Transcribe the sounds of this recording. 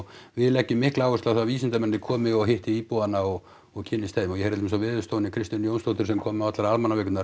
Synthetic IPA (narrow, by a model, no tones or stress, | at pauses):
vɪlɛcːʏmːɪhklaːwʏst̪aðθaviːsɪnt̪amɛnːɪkʰɔːmɪɔɣɦɪht̪ɪiːpoanːaɔɣ | ɔɣcʰɪnːɪst̪ajmɔjɛheɾɪt̪ːmɪsavɪːðʏst̪ownɪkʰɾɪst̪janjownst̪owht̪ʏɾsɛmkʰɔːmɪawat̪laɾalmanavɛːkʏt̪naɾ